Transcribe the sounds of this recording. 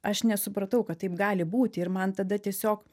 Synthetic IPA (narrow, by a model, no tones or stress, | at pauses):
ɐʃnʲɛsʊpɾɐt̪ɐʊkɐt̪̚t̪ːɐɪpɡɑːlʲɪbuːt̪ʲɪɪɾmɐnt̪ɐd̪ɐt̪ʲiɛsʲoːk